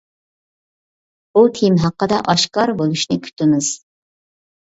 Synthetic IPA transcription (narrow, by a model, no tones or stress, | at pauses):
but̪ʰimɦɑqːəd̪ɑʔɑʃkɑɾbolˠuʃnɪkʲʰy̥t̪ɪmɪz̥